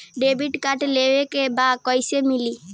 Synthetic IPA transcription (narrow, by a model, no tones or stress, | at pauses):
ɖebiʈkaʈleʋekebad̪̚kɔɪsemili